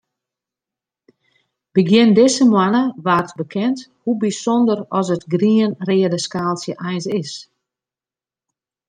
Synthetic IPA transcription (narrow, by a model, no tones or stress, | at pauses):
b̥əɡjɪndɪsəmwanəʋaːrtbəkʰɛnthubisondərɔs̬ətɡriənrɪːədəskaːlˠsjəʔɛjnsɪs